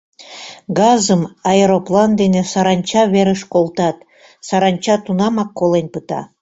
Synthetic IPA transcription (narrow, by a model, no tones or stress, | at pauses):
ɡɑzəmɑeɾoplɑnd̪enĕsɑɾɑnʲt͡ɕɑβeɾəʃkolˠt̪ɑt̪ | sɑɾɑnʲt͡ɕɑt̪unɑmɑkːolenʲpət̪ɑ̰